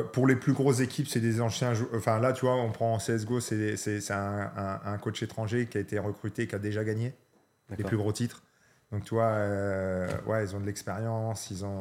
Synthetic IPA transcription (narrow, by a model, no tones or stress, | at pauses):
puʁleplyɡʁozekʲʰipsɛd̪ezɑ̃sjɛ̃ʒɑ̃fɛ̃lat̪yvwaɔ̃pχɑ̃seɛs̬ɡosɛsɛsɛɛ̃ɛ̃ɛ̃kot͡ʃet̪χɑ̃ʒekʲiaet̪eʁəkχyt̪ekʲiad̪eʒaɡaɲe | leplyɡʁot̪it̪χ | d̪ɔ̃k̚t̪yvwaø | wɛ̰ilzɔ̃d̪əlɛkspeʁjɑ̃silzɔ̃